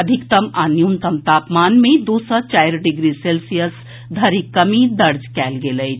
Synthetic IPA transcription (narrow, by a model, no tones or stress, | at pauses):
əd̪ʱikt̪əmanjunt̪əmt̪aːpmaːnmẽd̪oːsət͡ʃaɪɾɖɪɡɾiselsijəs | d̪ʱəɾikəmid̪əɾd͡ʒkɛːlɡeləɪ